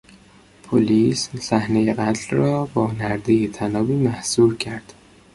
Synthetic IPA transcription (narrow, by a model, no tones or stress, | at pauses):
pʰoliːssæhnejeɣæt̪ʰlrɒːbɒːnæɾd̪ejet̪ʰænɒːbiːmæhsuːɾcʰæɾd̪̥